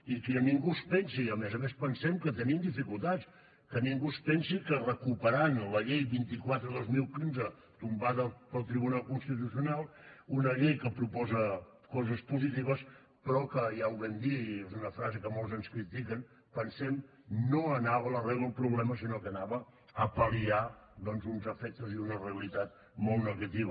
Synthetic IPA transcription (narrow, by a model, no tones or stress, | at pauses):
ikiniŋɡuspɛnsiəmezəmespənsɛmkət̪əniəmd̪ifikulˠt̪at͡s | kəniŋɡuspɛnsikərəkupəɾanləʎejβint̪ikwat̪ɾəðozmilˠkinzə | t̪umbaðəpəlˠt̪ɾiβunalˠkunst̪it̪usiunalˠunəʎejkəpɾupɔzə | kɔzəspuzit̪iβəs | pɾɔkəjawβɛnd̪iezunəfɾazəkəmɔlˠzənskɾit̪ikən | pənsɛm | noənaβələrɛβlˠəlˠpɾuβlɛməsinokənaβə | əpəliaðɔnzunzəfɛk̚t̪əziunəreəlit̪at̪̚ | mɔlˠt̪nəɣət̪iβə